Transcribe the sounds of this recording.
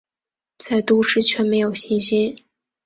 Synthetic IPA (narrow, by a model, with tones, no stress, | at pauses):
t͡sa˥˩ɪt̪u˥ʂɻ̩˥t͡ɕʰɥɛ˥˩me˧˥ɪjo˨˩ʊɕi˥nɕi˥n